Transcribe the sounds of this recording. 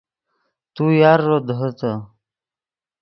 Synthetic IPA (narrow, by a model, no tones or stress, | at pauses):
t̪ujaɾːod̪ɦot̪ə